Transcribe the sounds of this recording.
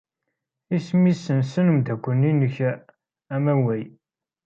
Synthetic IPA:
ismisənsənəmd̪ækʷːənːinəç | æmæwæj

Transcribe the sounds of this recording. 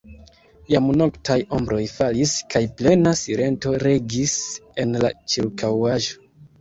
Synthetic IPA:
jamno̞ktʰajo̞mbɾo̞jfaliskajple̞nasiɾe̞nto̞ɾe̞ɡise̞nla̰t͡ʃiɾkawaʒo̞

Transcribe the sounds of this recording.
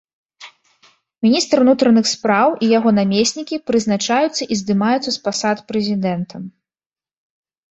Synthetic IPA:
mʲinʲist̪ɾɨnut̪ɾɐnɨxspɾawʔijaɣɔnamʲesʲnʲikʲipɾɨznat͡ʂajut̪sːɐʔizd̪ɨmajut̪sɐspasat̪pɾɛzʲid̪ɛnt̪ʰɐm

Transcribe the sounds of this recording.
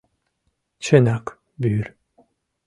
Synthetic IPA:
t͡ʃʰenak | byjyɾ

